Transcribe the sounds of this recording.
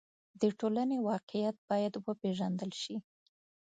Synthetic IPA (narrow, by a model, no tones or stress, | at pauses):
d̪əʈolanewɑqɪjat̪̚bɑjad̪wəpeʒand̪əlʃi